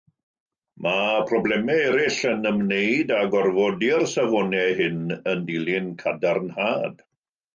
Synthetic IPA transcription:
mapʰrɔblˠɛmɛɛɾɪɬənəmnejdaɡɔrvɔdiərsavɔnɛɦɪnəndilˠɪnkʰadarnhaːd̥

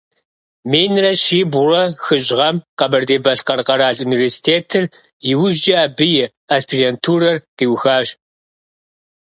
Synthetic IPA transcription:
meːnrɐɕiːbʊrɐxɨɕʼʁɐmqɐbɐrdeːbɐɬqɐrqɐɾaːɮuniversi̥tʰeːtʰɨr | jɪwʊʒd͡ʒɐaːbɨjɪ | aspʰirentʰuːɾɐrqiːwxaːɕ

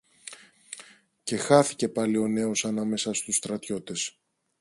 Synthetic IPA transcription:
ce̞xɐθi̥ce̞pɐlio̞ne̞o̞sɐnɐme̞sɐst̪ust̪ɾɐt̪ço̞t̪e̞s

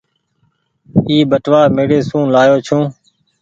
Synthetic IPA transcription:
iːbəʈʋaːɾmeːɽeːsũːlaːjoːt͡ʃʰũː

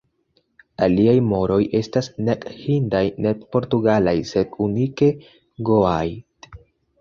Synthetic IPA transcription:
aliajmo̞ɾo̞jʔe̞stasne̞khindajne̞dpo̞ɾtuɡalajse̞d̚unike̞ | ɡo̞aj

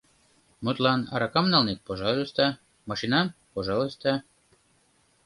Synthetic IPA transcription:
mut̪lɑnɑ̰ɾɑkɑmnɑlnet̪̚poʒɑlˠost̪ɑ | mɑʃinɑnpoʒɑlˠost̪ɑ

